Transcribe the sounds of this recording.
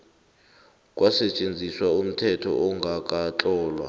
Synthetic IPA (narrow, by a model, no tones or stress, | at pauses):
kʼwʔasɛt͡ʃʼend͡zʱiswaum̩tʰɛtʰɔ̰ʔɔŋɡʱak̬ʼat͡ɬʼɔːlwa̰